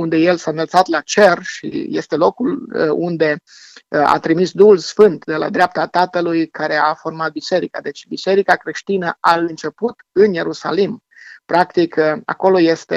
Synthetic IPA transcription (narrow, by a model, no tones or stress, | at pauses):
und̪e̞je̞lsaɨnəlt̪sat̪lat͡ʃe̞rʃḭje̞st̪e̞lo̞kulund̪e̞ | a̰t̪ɾimisd̪uhulsfɨnt̪d̪e̞la̰d̪ɾeap̚t̪at̪at̪əlujkaɾe̞afo̞rmat̪̚bise̞ɾikad̪e̞t͡ʃʲbise̞ɾikakɾe̞ʃt̪inəaɨnt͡ʃe̞put̪ɨnje̞ɾusalim | pɾakt̪ika̰ko̞lo̞je̞st̪e